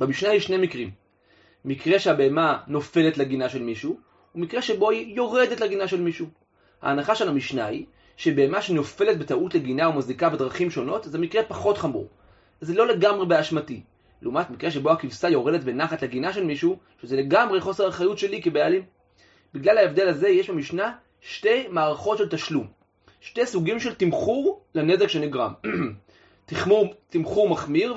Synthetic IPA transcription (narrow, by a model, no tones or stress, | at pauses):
b̥amiʃnaiʃne̞mikʁimː | ikʁe̞ʃeabeemano̞fe̞letleɡinaʃe̞lmiʃu | umikʁeʃe̞bo̞ijo̞ʁe̞detleɡinaʃe̞lmiʃu | ha̰ːnaχaʃelamiʃnai | ʃe̞be̞emaʃeno̞fe̞le̞t̚betautleɡinaumazikabedʁaχimʃo̞no̞tzemikʁe̞paχo̞tχamṵʁ | zelo̞le̞ɡamʁe̞beaʃmati | leumatmikʁe̞ʃe̞bo̞akivsajo̞ʁe̞detbenaχatleɡinaʃe̞lmiʃu | ʃezele̞ɡamʁeχo̞seʁeχajutʃe̞likebejalim | biɡlalaevd̪e̞laze̞je̞ʃbemiʃna | ʃte̞jmaːʁaχo̞tʃe̞ltaʃlum | ʃtejsuɡimʃe̞ltimχuʁlene̞zekʃeniɡʁa̰m | timut̪imχuʁmaχmiʁ